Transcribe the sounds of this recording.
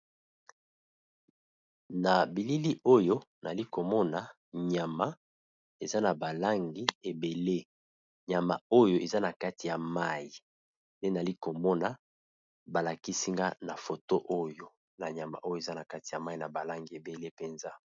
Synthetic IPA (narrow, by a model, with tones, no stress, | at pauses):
na˨bi˨li˦li˦ʔo˦jo˦na˨li˦ko˨mɔ˦na˦ | ɲa˨ma˦ | e˨za˦na˨ba˨la˦ŋɡi˦e˨be˨le˦ | ɲa˨ma̰˨o˦jo˦ʔe˨za˦na˨ka˦ti˨ja˨ma˦ji˨ | nde˦n˨li˦ko˨mɔ˦na˨ | ba˨la˨ki˦si˦ŋɡa˦na˨fo˨to˦ʔo˦jo˦ | na˨ɲa˨ma˨ʔo˦jo˦˨e˨za˦na˨ka˦ti̥˨ja˨ma˦i˦na˨ba˨la˦ŋɡi˨e˨be˨le˦pe˨nza˦